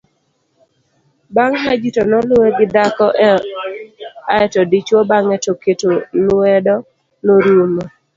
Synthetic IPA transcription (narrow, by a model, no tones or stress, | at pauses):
baŋmad͡ʒitɔnɔlʊeɡɪdakɔ | aɛtɔdit͡ʃwobaŋɛtoketolwɛdɔ | noɾumo